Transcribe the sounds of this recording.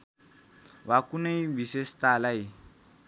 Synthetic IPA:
wakuneibisesi̥talai

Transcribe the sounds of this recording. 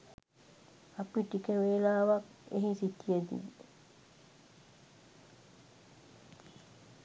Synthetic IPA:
apiʈikəʋeːlaːʋak | ḛɦisit̪ijəd̪ḭ

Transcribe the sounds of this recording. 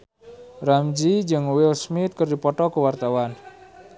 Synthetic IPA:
ramd͡ʒid͡ʒɨŋwɪlsmɪt̪̚kərdipɔʈɔkəwart̪awan

